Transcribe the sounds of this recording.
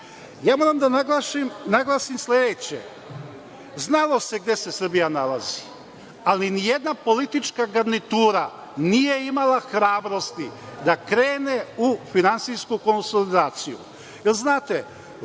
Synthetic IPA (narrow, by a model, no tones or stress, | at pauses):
jaːmo̞ːɾamd̪anaɡlˠaːʃimnaɡlˠaːsimsle̞d̪et͡ɕḛ | znalˠo̞se̞ɡd̪je̞se̞sr̩bijanalazi | alinije̞d̪napo̞lit̪it͡ʃkaɡaɾnit̪uːɾa | nije̞imalaxɾaːbɾo̞st̪id̪akɾe̞ːne̞ufinant̪siskuko̞nso̞lid̪aːt̪sijṵ | jelznaːt̪e